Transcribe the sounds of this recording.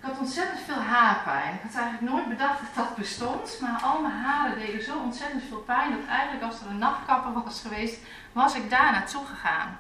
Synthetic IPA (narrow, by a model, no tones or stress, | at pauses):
ɪkɔtɔntsɛtəntfeːlˠɦaːrpɛ̰jnɪkhɔtɛjɣəntlək̚noːjtbədaxdɔt̚d̥ɔt̚bəstɔntmarʔɔlˠmaɦaːɾədeːɡəzoːɔntsɛtəntfɪːlˠpɛjndɔttɛjɣən̩tləkɔlˠsɔrənːɑxkɑpəʋɔlˠɪsχəʋeːst | ʋɔsɪk̚daːnaːtuxəxa̰ːn